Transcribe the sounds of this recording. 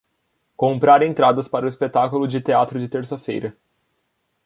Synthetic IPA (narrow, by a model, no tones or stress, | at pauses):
kõmpɾaɾẽt̪ɾad̪ɐspaɾɐʊispet̪akulʊd͡ʒɪt̪eat̪ɾʊd͡ʒɪt̪eɾsɐfḛjɾɐ